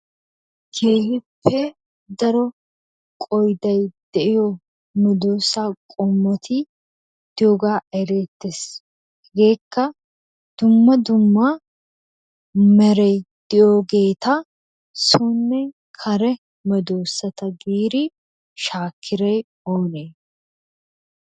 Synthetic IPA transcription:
ɡeːhɪpʰːɛ | d̪ɐɾɔ | kʼɔjd̪ɐjd̪̥ɛʔɪjɔ | mɛd̪oːsaːkʼɔmːɔt̪ʰɪ | d̪̥ɪjoɡaːʔɛɾeːt̪ːes | hɛɡe̞ːkːɐ | d̪̥ʊmːɐd̪ʊmːa | mɛɾɛjd̪̥ɪjoːɡe̞ːt̪ɐ | suːnːɛ | kʰɐɾɛ | mɛd̪o̞ːsːɐt̪ɐɡiːɾɪ | ʃaːkʰːɪɾɐj | oːneː

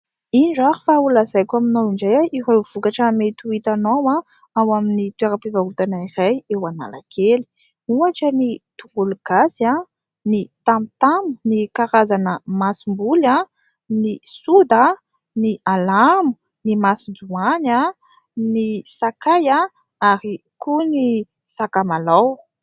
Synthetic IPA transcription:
iɳɖ͡ʐaɾu̥faulazajkʲaminawiɳɖ͡ʐajaiɾev̥ukaʈ͡ʂəmet̪uit̪anowa | awaminit̪weɾapivaɦut̪anairajewana̰la̰kʰeli̥ | uaʈ͡ʂənit̪uʁuluɡ̥asia | nit̪amut̪amu̥nikaɾazanəmasimbula | nisud̪a | nialamu̥ | nimasid͡zuana | nisakaja | aɾi | kuni | sakamalaw

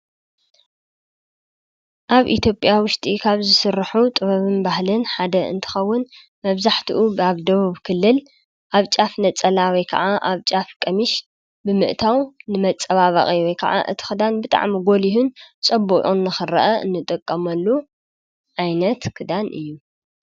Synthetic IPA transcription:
ʔaβʔḭt̪ʰjo̞pʼjawʊʃt̪ʼikʰaβzɨsɨrːaħut̪ʼɨβɐβɨnbahlɨnħad̪ɐʔɨ̰nt̪ʰɨ̥xɐwːʊn | mɐβzaħt̪ʰiʔubaβd̪ɐβuβkʰɨlːɨl | ʔaβt͡ʃʼafnɐt͡sʼɐlawɔjkʰɐ̰ʕaʔaβt͡ʃʼafkʼɐmiʃ | bɨmɨʔt̪ʰawnɨmɐt͡sʼːɐβaβɐ̰χʼiwɔjkʰɐ̰ʕa̰ʔɨ̰t̪ʰi̥xɨd̪anbɨt̪ʼa̰ʕmiɡo̞lihunt͡sʼɐbːuʔʼunːɨxɨɾɐ̰ʔɐɨ̰nːɨt̪ʼɨkʼːɐmɐlːu | ʕajnɐt̪kʰɨd̪anʔɨjːu

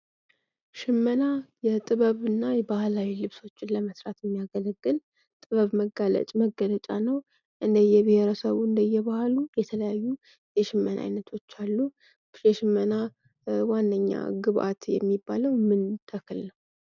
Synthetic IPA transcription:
ʃɪmːənajɛt̪ʼɨβəβɨnːajɛbahlawilɨβso̞t͡ʃːɪnləməsɾat̪jɛmːijaɡələɡːɨl | t̪ʼɨβəβməɡalə̰t͡ʃʼməɡːələt͡ʃʼanəw | ʔɨnd̪əjɛbɪheɾəsəβuɨnd̪əjɛβahlujɛt̪ʰələjajːu | jɛʃɪmːənʔa̰jnət̪ʰo̞t͡ʃːalːu | jɛʃɪmːəna | wanːəɲːa̰ɡɨβʔa̰t̪jɛ̰mːibːaləwmɨnt̪ʰəkʰɨlnəw

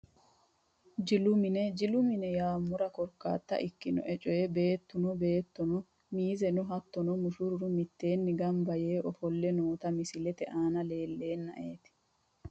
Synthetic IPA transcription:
d͡ʒɪlʊmɪnɛd͡ʒɪlʊmɪnɛjaːmːʊɾɐkɔɾkːa̰ːt̪ːɐ̰ʔɪkːɪnɔ̰ʔɛt͡ʃʼɔjɛbe̞ːt̪ːʊnɔbe̞ːt̪ːɔnɔ | miːzɛnʊɦɐt̪ːɔnɔmʊʃʊɾɾʊmɪt̪ːe̞ːnːɪɡɐmbɐjeːʔɔfɔlːɛnoːt̪ɐmɪsɪlɛt̪ɛʔaːnɐle̞ːlːe̞ːnːɐ̰ʔeːt̪ɪ̥

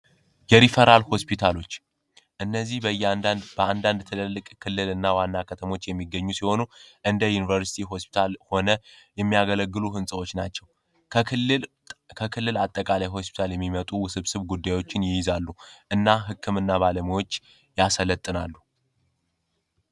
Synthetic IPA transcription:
jɛɾifəɾalho̞spʰit̪ʰalo̞t͡ʃː | ʔɨnːəzːihbəjːɛbəand̪and̪t̪ʰɨləlːɨkʼkʰɨlːɨlɨnːawanːakʰət̪ʰəmo̞t͡ʃːjɛmːiɡːəɲːusiho̞nuʔɨnd̪əjunivəɾsi̥t̪ʰiɦo̞spi̥t̪ʰalho̞nəjɛmːijaɡələɡːɨluɦɨnsʼəwot͡ʃːnat͡ʃːɛw | kʰəkʰɨlːɨlat̪ʼːəkʼalajɦo̞spʰi̥t̪ʰaljɛmːimət̪ʼusɨβsɨβɡud̪ːajwo̞t͡ʃːɪnjɪjɪzalːuʔɨnːaɦɨkʰːɨmɨnːaβaləmiwo̞t͡ʃː | jasələt̪ʼːɨnalːu

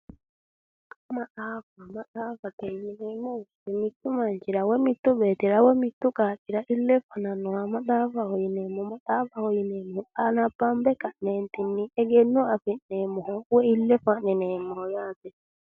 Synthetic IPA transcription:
kɔmaɗafamaɗafatɛɲinɛmɔtɛmitːumaɲd͡ʒiɾawɛmit̪ːuɓɛtiɾawɛmitːukaɗiɾaʔilːɛfananɔamaɗafahɔjinɛmɔmaɗafahɔjinɛmɔʔanabambɛkanɛntinːiɛɡɛnːɔafinɛmɔhɔwɛilːɛfanɛnɛmɔhɔjatɛ

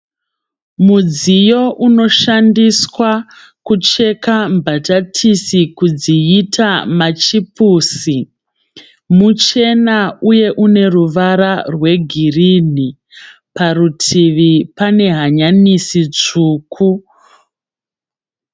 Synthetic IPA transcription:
mud͡zijo̞ʔuno̞ʃandiswa | kut͡ʃe̞kambatatʰisikud͡ziitʰamat͡ʃipusi | mut͡ʃe̞nauje̞ʔune̞ruʋaɾarwe̞ɡʱirin̤i | parutʰiʋipane̞ɦaɲanisit͡ʂuːkʰu

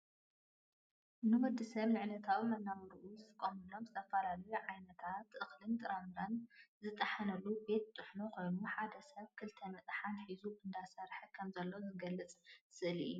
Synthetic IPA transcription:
nɨwɔd̪ːisɐβnɨʕnɐt̪ʰawmɐnːamɐɾʔuzɨt̪ʰɨkʼomɨlo̞mzɨt̪ʰɐfɐlalɐjuʕajnɐt̪ʰat̪ʔɨxlɨnt̪ʼɨɾamɨɾɐnzɨt̪ʼːɐħanɐlube̞t̪̚t̪ʼːɨħnokʰo̞jnuħad̪ɐsɐβkʰɨlt̪ʰɐmɐt͡sʼħanħizuʔɨnd̪asɐɾħkʰɐmzɐlːozɨɡɐlːɨt͡sʼsɨʔɨlḭju

